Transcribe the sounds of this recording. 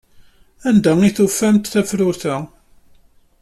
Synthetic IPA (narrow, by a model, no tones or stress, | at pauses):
ænd̪æiθufːæmt̪θæfɾʊɾθæ